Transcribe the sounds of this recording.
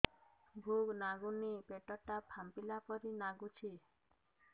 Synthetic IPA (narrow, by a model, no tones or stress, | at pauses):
bʱuɡnaɡunipeʈɔʈapʰampilapɔɾinaɡut͡ʃʰi